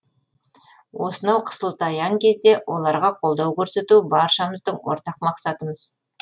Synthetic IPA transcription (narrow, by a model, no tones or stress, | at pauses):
wo̞sənɑwqʰə̥səlˠt̪ɑjɑŋkʲʰe̞zd̪e̞wʔo̞lˠɑɾʁɑqʰo̞lˠd̪ɑwkʲʰɵɾse̞t̪ubɑɾʃɑməzd̪əɴwo̞̰ɾt̪ɑq̚mɑqsɑt̪əməz